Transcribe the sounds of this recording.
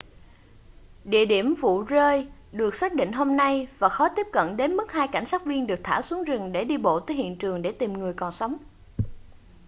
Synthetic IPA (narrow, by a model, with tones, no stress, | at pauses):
ɗḭ˧˨əɗi˧˩əmvṵ˧˨zəː˧jɗɨ˨˩ək̚saː˦˥k̚ɗḭ̈˧˨ŋ̟ɦo˧mna˧jvaː˨˩xɔ˨˦t̪i˦˥əp̚kə̰˧˨nɗe˨˦nmɨ˦˥k̚haː˧jka˧˩jŋ̟saː˦˥k̚vi˧ənɗɨ˨˩ək̚t̪ʰaː˧˩wsu˨˦əŋzɨ˨˩ŋɗe˧˩ɗi˧ɓo̰˧˨t̪əː˨˦jhḭ˧˨ənt͡ɕɨ˨˩əŋɗe˧˩t̪i˨˩mŋɨ˨˩əjkɔ˨˩nsa˨˦wŋ͡m